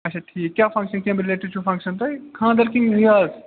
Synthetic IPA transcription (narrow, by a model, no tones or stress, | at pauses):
ɐʃɐt̪ʰiːkʲjaːfɐ̃ŋkʃɐnkʲɐ̃ːmbiɾɪleːʈit͡ʃʰufɐ̃ŋkʃɐnt̪ɐjkʰãːd̪ɐɾkĩŋɡɦiaːz